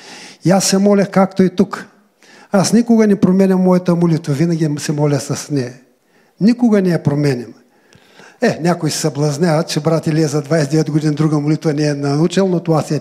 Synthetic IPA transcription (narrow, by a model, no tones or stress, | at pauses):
iasːɛmɔlʲɐxkakt̪oit̪uk | asnikʊɡɐnɛpɾomɛnʲɐmmːɔjɐt̪əmolit̪vɐvinɐɡʲisɛmɔlʲɐxsɐsnɛ | nikʊɡɐnɛɛpɾomɛnʲɐm | ɛnʲakojsɛ̥sɐblˠɐznʲavɐt̪t͡ʃɛbɾat̪ʲɐliɛzɐd̪vajsɛd̪ɛvɛt̪ɡod̪inəd̪ɾuɡəmolit̪vɐnɛːnɐut͡ʃɛlˠnot̪oasɛ